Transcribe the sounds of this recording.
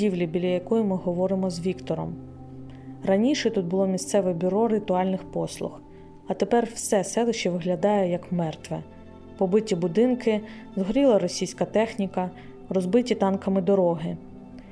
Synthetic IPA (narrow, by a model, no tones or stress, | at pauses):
iwlʲibʲilʲɐjɐkɔjʊmɪɦɔʋɔɾɪmɔzʋʲikt̪ɔɾɔ̰m | rɐnʲiʃɛt̪ut̪̚bʊlˠɔmʲist̪sɛʋɛbʲʊɾɔɾɪt̪ʊɑlʲnɪxpɔslˠʊ̰x | ɐt̪epɛrwsɛsɛlˠɛʃt͡ʃɛʋɪɦlʲɐd̪ɑjɛjɐkmɛrt̪ʋɛ | pɔbɪtʲibʊd̪ɪnkɪ | zɦɔɾʲilˠɐɾɔsʲijsʲkɐt̪ɛxnʲikɐ | ɾɔzbɪtʲit̪ɑnkɐmɪd̪ɔɾɔɦɪ